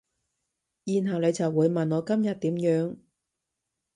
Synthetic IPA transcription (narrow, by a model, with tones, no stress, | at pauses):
jiː˨˩nɦɐ˨wle˨˧jt͡sɐ˨˩wːuː˨˧jmɐ˨˩nŋɔː˨˧kɐ˥mjɐ˨t̚t̪iː˨˥mjœː˨˥ŋ